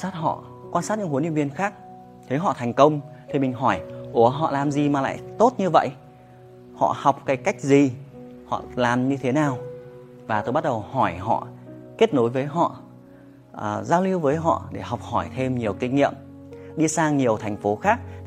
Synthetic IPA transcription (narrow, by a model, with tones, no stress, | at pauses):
saː˦˥t̚ɦɔ̰˧˨ | kwa˧nsaː˦˥t̚ɲɨ̰˧˥ŋhni˧˨wvənxaː˦˥k̚ | t̪ʰe˨˦ɦɔ̰˧˨t̪ʰɛ˨˩jŋ̟kə˧wŋ͡mt̪ʰi˨˩mï˨˩ŋ̟ɦɔ˧˩jʔu˨˧˩əɦɔ̰˧˨laː˨˩mzi˨˩maː˨˩la̰ː˧˨jt̪o˦˥t̚ɲɨ˧və̰˧˨jʔ | hɔ̰˧˨ha˨˩wk͡p̚kaː˨˦jka˦˥jk̟̚zi˨˩ | hɔ̰˧˨laː˨˩mɲɨ˧t̪ʰe˨˦naː˨˩w | vaː˨˩t̪o˧jɓa˦˥t̚ɗə˨˩whɔ˧˩jɦɔ̰˧˨ke˦˥t̚no˨˦jvəː˨˦jɦɔ̰˧˨ | ə˨˩zaː˧wli˧əwvəː˨˦jɦɔ̰˧˨ɗe˧˩ha˨˩wk͡p̚hɔ˧˩jt̪ʰe˧mɲi˨˩əwkï˧˩ŋ̟ŋḭ˧˨əm | ɗi˧saː˧ŋɲi˨˩əwt̪ʰa˨˩ŋ̟fo˨˦xaː˦˥k̚